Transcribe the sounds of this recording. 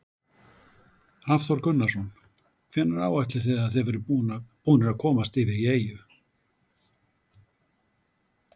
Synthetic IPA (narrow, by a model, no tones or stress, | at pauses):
afθɔɾkʏnːḁsɔn | kʰfɛːnːaɾaːwaht̪lɪ̥θɛːðaðθɛðvɛɾʏpuːnɪɾaðkʰɔːmast̪ɪvɪɾieːjʏ